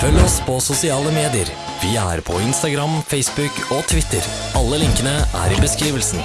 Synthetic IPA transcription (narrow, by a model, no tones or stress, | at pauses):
fœlːəɔspʰɔsʊsɪɑːləmeːd̪ɪəɾ | ʋɪæ̰ɾpʰɔɪnst̪ɑɡɾɑmfɛɪsbʉkɔt̪ʰʋɪt̪əɾ | ɑlːəlɪŋkənəʔæ̰ːɾɪbəskɾiːʋəlsn